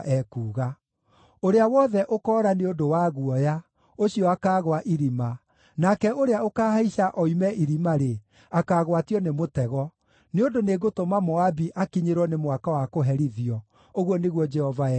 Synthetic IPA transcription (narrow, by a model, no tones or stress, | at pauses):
ʔɛkuːɣa | oɾeawɔðɛʔokɔːɾaneondowaɣuɔja | oɕiɔakaːɣoaʔiɾima | nakɛʔoɾeaokaːhaiɕaʔɔimɛʔiɾimaɾe | akaːɣwatiɔnemotɛɣɔ | neondoneɡotomamɔabiʔakiɲeɾwɔnemwakawakoɦɛɾiðiɔ | oɣwɔneɣwɔd͡ʒɛhɔva